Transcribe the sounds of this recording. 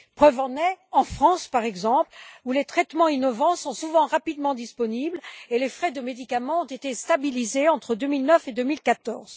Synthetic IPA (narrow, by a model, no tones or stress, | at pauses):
pχœvɑ̃nɛɑ̃fχɑ̃spaʁɛɡzɑ̃plulet̪χɛt̪mɑ̃inɔvɑ̃sɔ̃suvɑ̃ʁapid̪mɑ̃d̪ispɔniblelefχɛd̪əmed̪ikamɑ̃ɔ̃t̪et̪est̪abilizeɑ̃t̪χəd̪ømilnœfed̪ømilkat̪ɔʁz̥